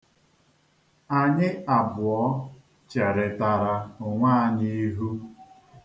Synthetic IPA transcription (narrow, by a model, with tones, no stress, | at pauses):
a˨ɲɪ˦a˨bʊ˨ɔ˦ | t͡ʃe˨ɾɪ˨ta˨ɾa˨ʊ˨ŋʷaː˦a˨ɲi˦i˦ɦu˦